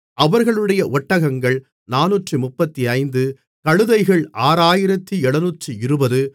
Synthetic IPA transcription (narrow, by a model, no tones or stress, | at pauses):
ʔɐʋɐɾɣɐɭɯɽɐjɐʔɔʈːɐɣɐŋɡɐɭ | naːnuːʈrɯmʊpːɐt̪ːiɐɪnd̪ɯ | kɐɻɯðɐɪɣɐɭaːɾaːjɪɾɐt̪ːiɛɭɐnuːʈrɯɪɾɯbɐðɯ